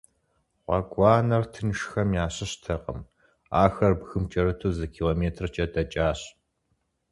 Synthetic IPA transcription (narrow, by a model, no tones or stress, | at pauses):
ʁʷɑ̰ɡʷɑːnɐrtʰɨnʃxɐmjaːɕɪɕtʰɐqʼə̰m | aːxɐrbɣɨmt͡ʃʼɐrɨtʰuːzɐkʰiːloːmeːtʰrt͡ʃʼɐdɐt͡ʃʼaːɕ